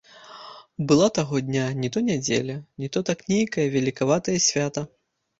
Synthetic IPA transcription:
bɨlˠat̪aɣɔd̪ʲnʲanʲit̪ɔnʲad͡zʲḛlʲɐnʲit̪ɔt̪aknʲejkɐjɐvʲalʲikavat̪ɐjɐsʲvʲat̪ɐ

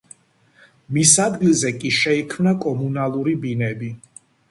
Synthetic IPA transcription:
misad̪ɡilˠzɛkʼiʃɛikʰmnakʼɔmunalˠuɾibinɛbi

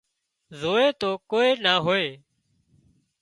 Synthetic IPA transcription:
zoːeːt̪oːkoːeːnaːɦoːeː

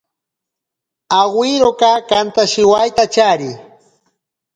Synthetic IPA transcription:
aɢwɪɾokakant̪aʃɪwajt̪at͡ʃaɾɪ

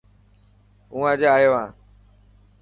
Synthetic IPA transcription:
ũːãːd͡ʒeaːjoːãː

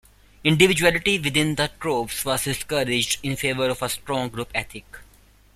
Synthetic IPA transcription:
ɪ̃ɳɖɪʋɪd͡ʒuælɪʈiʋɪd̪ɪ̃nd̪əʈɾoːpsʋɔːzɖɪskəɾɪd͡ʒɖɪ̃nfeːʋəɾɔʋəsʈɾɔ̃ːŋɡɾupɛt̪ʰɪk

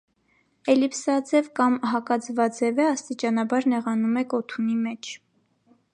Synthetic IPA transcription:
ɛlipsɑd͡zɛvkɑmɦɑkɑd͡zvɑd͡zɛvɛɑst̪it͡ʃɑnɑbɑɾnɛʁɑnumɛkɔt̪ʰunimɛt͡ʃʰ

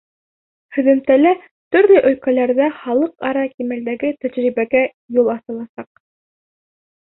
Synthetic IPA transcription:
hɵ̆ðɘ̆mt̪ælæ | t̪ɵ̆ɾlɵʔɵ̆lkælæɾðæχɑlˠɤqɑɾɑkimæld̪æɡɘt̪æʑɾiβæɡæ | julˠɑθɤ̆lˠɑsɑq̚

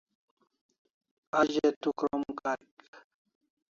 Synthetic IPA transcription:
aʑet̪ukɾomkak

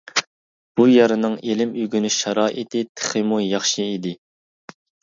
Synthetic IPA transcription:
b̥ujɑɾɨnɨŋelɪmyɡʲynɪʃɑɾɑːʔit̪ɪt̪ʰə̥χɨmujɑχʃɨid̪ɪ

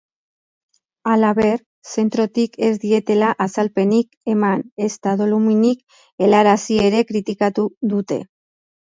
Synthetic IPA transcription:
alaβe̞r | se̞nt̪ɾo̞t̪ikʰe̞zd̪ie̞t̪e̞laʔasalpe̞nike̞mane̞st̪aðo̞luminik | e̞laɾasie̞ɾe̞kɾit̪ikat̪uðut̪e̞̰

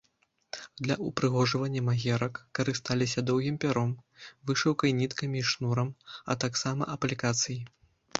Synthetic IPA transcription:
d̪lʲɐʔupɾɨɣɔʐɐvɐnʲːɐmaɣʲɛɾɐkːɐɾɨst̪alʲisʲɐd̪ɔwɣʲimpʲaɾɔmvɨʂɐwkɐjnʲit̪kɐmʲiːʂnuɾɐmɐ̰t̪aksamɐ̰ʔɐplʲikat̪sɨji

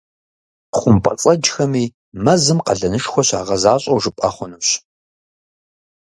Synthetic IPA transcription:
χʷʊmpʼɐ̰t͡sʼɐd͡ʒxɐmiː | mɐzɨmqɐɮɐnɨʂxʷɔɕa̰ːʁɐzaːɕʼɐwʒɨpʼɐ̰χʷʊnɨwɕ

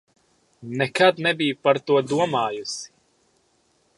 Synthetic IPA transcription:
nɛkad̪nɛbijupaɾt̪uɔd̪uɔmaːjusi̥

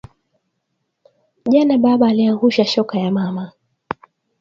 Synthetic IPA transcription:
ʄanaɓaɓaːliaŋɡuʃaʃɔkajamama

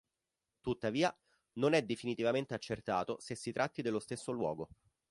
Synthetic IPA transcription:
t̪ut̪ːaviːa | nonɛd̪ːefinit̪ivament̪eat͡ʃːert̪aːt̪osesːit̪ɾʔat̪ːid̪elːost̪esːolwɔ̰ːɡo

